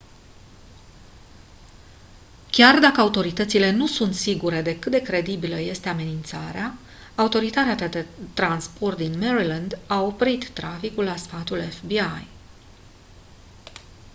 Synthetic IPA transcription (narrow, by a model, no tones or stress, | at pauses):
kʲard̪akəaut̪o̞ɾit̪ət̪sile̞nusunt̪siɡuɾe̞d̪e̞kɨt̪d̪e̞kɾe̞d̪ibiləje̞st̪e̞ame̞nint̪saɾeaː | ut̪o̞ɾit̪aɾeat̪et̪ɾanspo̞rt̪̚d̪inmeɾiland̪ao̞pɾit̪ːɾafikulːasfat̪ulefbiaj